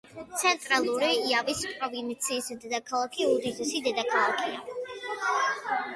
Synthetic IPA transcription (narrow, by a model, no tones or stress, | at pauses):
t̪sʰɛnt̪ʼɾalˠuɾiːavispʼɾɔvint̪sʰiːsd̪ɛd̪akʰalˠakʰiud̪id̪isid̪ɛd̪akʰalˠakʰia